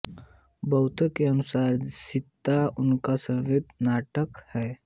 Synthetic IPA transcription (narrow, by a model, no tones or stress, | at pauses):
bəʊt̪əkeənʊsaːɾsɪt̪ːaʊnkasəʋɪt̪naːʈəkhɛː